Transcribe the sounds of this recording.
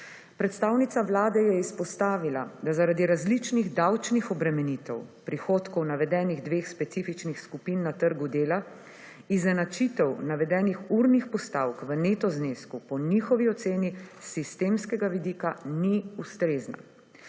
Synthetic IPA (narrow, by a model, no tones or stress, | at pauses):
pɾɛt̪st̪aːwnit̪saʋlaːd̪ɛjɛispɔst̪aːʋilad̪azaɾad̪iɾazlit͡ʃniɣd̪awt͡ʃnixɔbɾɛmɛnit̪ɛwpɾixoːt̪kɔwnaʋɛd̪ɛːniɣd̪ʋeːxspɛt̪sifit͡ʃnixskupinːat̪əɾɡud̪eːla | iznɛnat͡ʃit̪ɛwnaʋɛd̪ɛːnixuɾnixpɔst̪aːwkʋəneːt̪ɔzneːskupɔnixɔʋiɔt̪seːnisist̪eːmskɛɡaʋid̪ikaniust̪ɾeːzna̰